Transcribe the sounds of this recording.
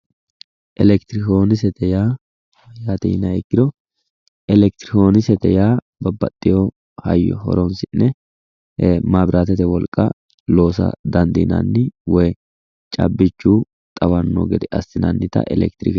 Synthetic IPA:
ʔɛlɛkt̪ɾɪkoːnɪs̬ɛt̪ɛjaː | jaːt̪ɛnɐɛkːɪd̪ɔ | ɛlɛk̚t̪ɪɾɪko̞ːnɪsɛt̪ɛjaː | bɐbːɐ̰t̪ʼːɪjo | hɐ̰jːɔ̰hɔ̰ɾɔnsɪnːɛ | maːbɾʔaːt̪ɛt̪ɛwɔlkʼːɐ | lo̞ːsɐ̰d̪ɐnd̪ḭːnɐ̰nːɪwɔj | t͡ʃʼɐ̰bːɪt͡ʃːuː | t̪ʼɐwɐnːo̰ɡɛd̪ɛʔɐ̰st̪ːɪnɐ̰nːɪt̪ɐ̰ʔɛ̰lɛ̰k̚t̪ɾɪ̰k

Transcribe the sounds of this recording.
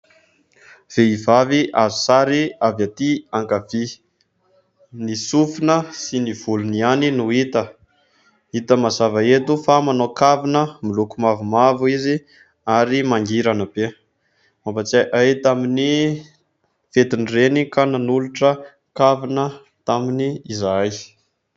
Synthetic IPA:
v̥eivaviʔazu̥saɾiavjat̪iaŋkavi | nisufinəsiniv̥ulunianinuit̪ə | it̪əmazavaet̪ufamanokavinəmilukumavumavuizi | aɾimaŋɡiɾanəb̥e | ambat͡saʔajit̪amini | fet̪inirenikananuluʈ͡ʂə | kavinə | t̪aminiːzaj

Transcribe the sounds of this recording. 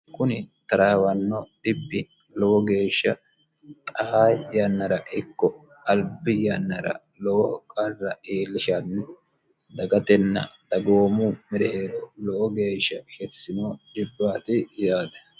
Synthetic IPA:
kʊnɪt̪ɐɾaːwɐnːɔɗɪpːɪ | lɔwɔɡe̞ːʃːɐ | t̪ʼɐhaːjɐnːɐɾɐʔɪkːɔ | ɐlbɪjɐnːɐɾɐ̰ | lɔwɔkʼɐrːɐeːlːɪʃanːɛ | d̪ɐɡɐt̪ɛnːɐ̰t̪ɐɡo̞ːmʊmɪɾɛheːɾɔlɔʔɔɡe̞ːʃːɐʃɛt̪ɪ̥sɪnoːd͡ʒɪbːaːt̪ɪjaːd̪ɐ̥

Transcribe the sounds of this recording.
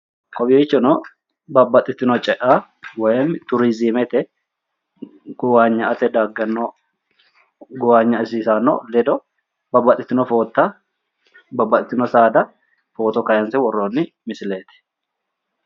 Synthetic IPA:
kʼɔbɪet͡ʃːɔnɔ | bɐbːɐt̪ʼːɪt̪ːɪnɔt͡ʃʼɛʔa | wɔjɛmt̪ʊɾizimɛt̪ɛ | ɡ̥ʊwaːɲːɐʔɐt̪ɛd̪aːɡːɐnːɔ | ɡʊwaːɲːɐɪsiːsaːnːɔ̰lɛd̪ɔ | bɐbːɐt̪ʼːɪt̪ːɪnɔfo̞ːt̪ːa | bɐbːɐt̪ʼɪt̪ːɪnɔsaːd̪ɐ | fo̞ːt̪ɔkɐjɐnsɛwɔrːoːnːɪ | mɪsɪleːt̪ɪ̥

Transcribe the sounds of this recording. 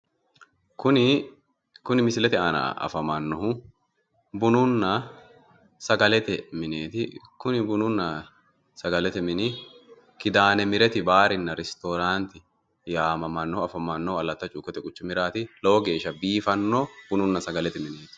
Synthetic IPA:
kʊnɪ | kʊnɪmɪsɪlɛt̪ɪaːnɐ̰ɐ̰fɐmɐnːɔhʊ | bʊnʊnːɐ | sɐɡɐlɛt̪ɛmɪneːt̪ɪkʊnɪbʊnʊnːɐ | sɐɡɐlɛt̪ɛmɪnɪ | kɪd̪aːnɛmɪɾɛt̪ɪbaːɾɪnːɐɾɛst̪oːɾaːnt̪ɪ | jaːmɐmɐnːɔɐfɐmɐnːɔɐlːɐt̪ːɐt͡ʃʼʊːkʼːɔt̪ɛkʼʊt͡ʃːʊmɪɾaːt̪ɪloːɡe̞ːʃːɐbiːfɐnːoːb̥ʊnʊnːɐsɐɡɐlɛt̪ɪmɪneːt̪ɪ̥

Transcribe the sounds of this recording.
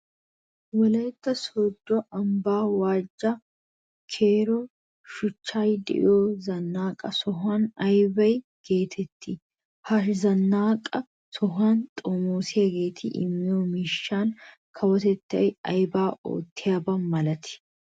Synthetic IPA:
wɔlɐjt̪ːɐsɔd̪ːɔʔɐmbaːwaːd͡ʒːɐ | kʰeːɾɔ | ʃʊt͡ʃːaːjd̪ɪ̰ʔɪ̰joːzɐnːaːkʼɐsɔɦaːnɐjbɐj | ɡ̥eːt̪ʰɛt̪ːɪ | hɐʃzɐnːaːkʼɐ | sɔɦaːnt̪ʼomoːsɪjɐɡe̞ːt̪ʰɪʔɪ̰mːɪjoːmɪʃːaːn | kʰɐwɔt̪ɛt̪ːɐ̰jɐjbaːo̰ːt̪ːɪjaːbɐmɐlɐt̪ɪ̥

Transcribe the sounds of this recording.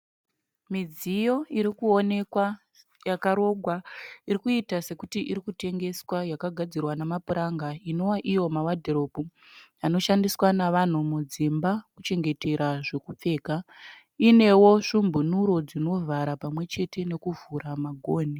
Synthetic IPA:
mid͡zijo̞iɾikuo̞ne̞kwa | jakaɾo̞ɡʱwaiɾikuitase̞kutiʔiɾikute̞ŋɡe̞swajakaɡʱad͡zirwanamapuɾaŋɡaino̞waʔijo̞mawadʱeɾo̞puano̞ʃandiswanaʋan̤umud͡zimbakut͡ʃe̞ŋɡe̞te̞ɾaʐe̞kup͡fe̞ːka | ine̞wo̞ʂumbunuɾo̞d͡zino̞vʱaɾapamwe̞t͡ʃe̞te̞ne̞kuvuɾamaɡʱoːni

